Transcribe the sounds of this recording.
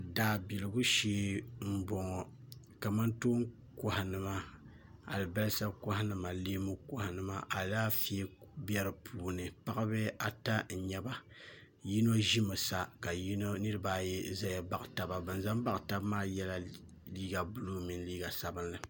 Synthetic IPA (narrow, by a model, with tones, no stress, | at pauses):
daː˨bi˨lɨ˨ɡu˦ʃeː˦m̩˦bɔ˨ŋɔ˨ | ka˨ma˦nto˦ŋ | kʊ˦ha˨nɨ˨ma˦ | a̰˨lɨ˨bɛ˦lsa˦kʊ˦ha˦nɨ˨ma˨leː˦mu˦kʊ˨ha˨nɨ˦ma˦ʔa˨daː˦fi˦ɛ˦bjɛ˦ɾɨ˦pʰuː˨nɨ˨pa˦ka˦bɨ˦a˨ta˦n̩˨ɲɛ˨ba˦ | ji˦no˦ʒi˦mɨ˨sa˦ka˨ji˦no˦nɨ˦ɾɨ˦baː˦jɛ˦za˦ja˨ba˨kta˨ba˨bɨ˨n˨za˦mba˦ʔta˦bmaː˦jɛ˦la˨ | liː˦ɡa˨bʊ˦lu˦mi˨nliː˦ɡa˨sa˨˦bɨ˦nlɨ˨